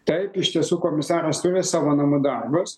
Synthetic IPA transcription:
t̪ɐɪpɪʃt̪ʲiɛsuːkoːmʲɪsɑːɾɐst̪ʊɾʲɪsɑːʋoːnɐmʊd̪ɐrbʊs

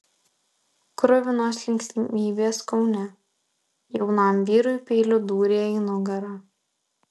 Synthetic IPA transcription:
kɾʊʋʲɪnoːslʲɪŋʲkʲsʲt̪ʲmʲiːbʲeːskɔʊnʲɛ | jɛʊnɑˑmʋʲiːɾʊjʊpʲeːlʲʊd̪uːɾʲeːinʊɡɐɾɑː

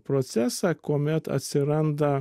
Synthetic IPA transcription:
pɾoːt̪sʲæːsɑkoːmʲɛt̪ɐ̰t̪ʲsʲɪɾɐnd̪ɐ

